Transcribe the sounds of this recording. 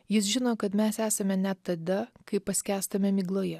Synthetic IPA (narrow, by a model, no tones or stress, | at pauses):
jɪs̬ʒʲɪnoːkɐt̪mʲæsæːsɐmʲɛnʲɛt̪ːɐd̪ɐkɐɪpːɐsʲkʲæːst̪ɐmʲɛmʲiːɡlˠoːjɛ